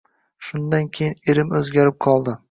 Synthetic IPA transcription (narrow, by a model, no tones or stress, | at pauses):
ʃʊnd̪ankʲʰejɪneɾɪmɵzɡʲaɾɪp̚qʰɒlˠd̪ɪ